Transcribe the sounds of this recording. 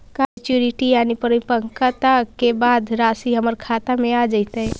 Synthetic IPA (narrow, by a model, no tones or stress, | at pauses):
kat͡ʃjuɾiʈijaːnipəɾipəŋkat̪akebaːd̪ɾaːsiɦəməɾkʰaːt̪amẽad͡ʒaɪt̪aɦɛ